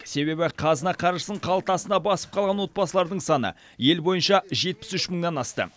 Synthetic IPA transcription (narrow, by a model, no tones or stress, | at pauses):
se̞βe̞bɪqʰɑzənɑqʰɑɾʒəsəɴqʰɑlˠət̪ɑsənɑbɑsə̥p̚qʰɑlˠʁɑnwo̞t̪bɑsəlˠɑɾd̪əɴsɑnə̰ | je̞lbo̞jənʃɑʒe̞t̪̚pɪ̥sʏʃməɴnɑnɑst̪ə̰